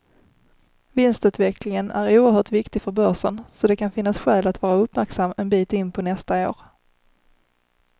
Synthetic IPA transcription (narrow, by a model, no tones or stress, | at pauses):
vɪnst̪ʉ̟ːt̪vɛklɪŋənæ̰ɾuːəɾhœːʈvɪkt̪ɪfœɾbœʂənsɔd̪ɛkʰanfɪnːasɧɛːlat̪vɑːɾaɵpmæɾksamːɛnbiːt̪ɪnːpʰɔnɛst̪ao̰ːɾ